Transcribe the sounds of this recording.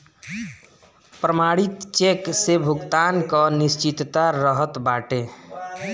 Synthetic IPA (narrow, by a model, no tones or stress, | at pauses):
pɾəmaɽit̪t͡ʃeksebʱuɡt̪ankənist͡ʃit̪t̪aɾəɦət̪baʈe